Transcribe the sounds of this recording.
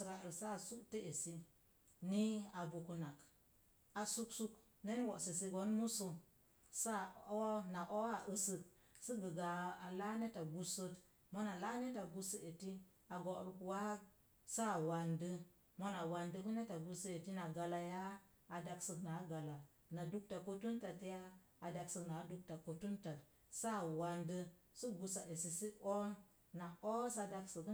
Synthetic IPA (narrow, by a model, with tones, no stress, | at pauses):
sɾa˨ɾsa˦˨su˦kte˦e˨si˦ | ni˦a˨bu˨ku˨na˨k | a˨su˦ksu˦k | ne˦n˦wo˨ʔsi˨si˦ɡo˨˦nmu˦so˨ | sa˦˨o˦na˨ʔo˦a˨ʔə˦sɨ˨k̚ | sə˦ɡə˨ɡa˨a˨la˦ne˦ta˨ɡu˦sə˦t | mo˦na˨la˦ne˦ta˨ɡu˦sə˦e˨ti˦ | a˨ɡo˨ɾu˨ku˨wa˦ | sa˦˨wa˨ndə˦ | mo˦na˨wa˨ndə˦ku˦ne˦ta˨ɡu˨sə˦e˨ti˦na˨ɡa˨la˨jaː˦˨ | da˨ksə˨kna˨˦ɡa˨la˨ | na˨du˦k̚ta˨ko˦tu˦nta˨tjaː˦˨ | da˨ksə˨kna˨˦du˦k̚ta˨ko˨tu˦nta˨t | sa˦˨wa˨ndə˦ | su˦ɡu˨sa˨ʔe˨si˨si˦ʔo˦n | na˨ʔo˦sa˨da˦ksə˨k